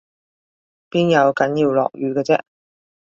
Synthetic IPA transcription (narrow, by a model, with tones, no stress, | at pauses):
piː˥njɐ˨˧wkɐ˨˥njiː˧wlɔ̰ː˨k̚jyː˨˧kɛː˧t͡sɛ̰˥